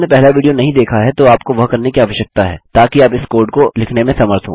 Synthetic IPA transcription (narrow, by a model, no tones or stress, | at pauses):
nepɛɦlaʋiːɖijonɐɦĩd̪eːkʰaɦɛt̪oaːp̚koʋɐɦkɐɾnekiaːʋəʃjək̚t̪aɦɛ̰ːt̪aːkiaːpɪskoːɾɖkolɪkʰnemẽsɐməɾt̪ʰɦõ̰ː